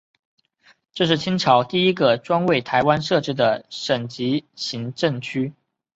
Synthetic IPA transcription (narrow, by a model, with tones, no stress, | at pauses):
ʈ͡ʂɤ˥˧ʂ̬ɻ̩˥˩t͡ɕʰi˥ŋʈ͡ʂʰɑ˧˥ʊt̪i˥˩i˥ɡə˧ʈ͡ʂwa˥nwe˥˩ɪt̪ʰa˧˥ɪwa˥nʂɤ˥˧ʈ͡ʂɻ̩˥d̪ə˨˩ʂə˨˩ŋt͡ɕi˧˥ɕi˧˥ŋʈ͡ʂɤ˥˩ŋt͡ɕʰy˥